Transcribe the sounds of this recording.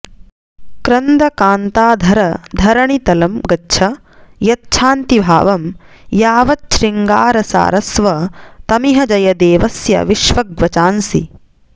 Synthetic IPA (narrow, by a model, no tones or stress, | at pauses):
kɾɐnd̪ɐkaːnt̪aːd̪ʱɐɾɐd̪ʱɐɾɐɳit̪ɐlɐmɡɐtːʃʰɐ | jɐtːʃʰaːnt̪ibʱa̰ːʋɐm | jaːʋɐtʃɾiŋɡaːɾɐsa̰ːɾɐsʋɐt̪ɐmiɦɐd͡ʒɐjɐd̪eːʋɐsjɐ̰ʋiʃʋɐɡʋɐt͡ʃaːnsḭ